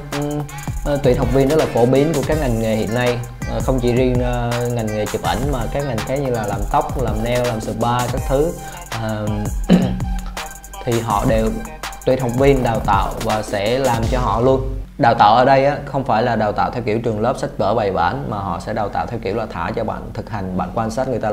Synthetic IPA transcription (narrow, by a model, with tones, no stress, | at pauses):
ʔ | ʔːt̪wi˧˨nhə˨˩wk͡p̚vi˧ənzə˦˥laː˨˩fo˧˩˦ɓi˨˦ənku˧˩əkaː˦˥k̚ŋa˨˩jŋ̟ŋe˨˩hḭ˧˨ənːa˧j | ʔːxə˧wŋ͡mt͡ɕḭ˧˩zi˧ə˨ŋa˨˩jŋ̟ŋe˨˩t͡ɕi˨˩p̚ʔa˧˩jŋ̟maː˨˩kaː˨˦˥kŋa˨˩jŋ̟xaː˨˦jɲɨ˧laː˨˩laː˨˩mt̪ə˦˥wk͡p̚laː˨˩mnɛ˧wlaː˨˩msɨ̰˨˩ɓaː˧kaː˦˥k̚t̪ʰɨ˨˦ | ʔəː˨˩ | t̪ʰi˨˩ɦɔ̰˧˨ɗe˨˩wt̪wi˨˩t̚hə˨˩wŋ͡m̚vi˧ənɗaː˨˩wt̪a̰ː˧˨wvaː˨˩sɛ̰˧˥laː˨˩mt͡ɕɔ˧ɦɔ̰˧˨lu˧ənɗaː˨˩wt̪a̰ː˧˨wʔəː˧˩ɗə˧jʔaː˨˦xə˧wŋ͡mfaː˧˩jlaː˨˩ɗaː˨˩wt̪a̰ː˧˨wt̪ʰɛ˧wki˧˩əwt͡ɕɨ˨˩əŋləː˦˥p̚sa˦˥jk̟̚vəː˧˩ɓa˨˩jɓa̰ː˧˩nmaː˨˩ɦɔ̰˧˨sɛ̰˧˥ɗaː˨˩wt̪a̰ː˧˨t̪ʰɛ˧wki˧˩əwlaː˨˩t̪ʰa̰ː˧˩t͡ɕɔ˧ɓa̰ː˧˨nt̪ʰɨ˨˩k̚ha˨˩jŋ̟ɓa̰ː˧˨nkwaː˧nsaː˦˥t̚ŋɨ˨˩əjt̪aː˧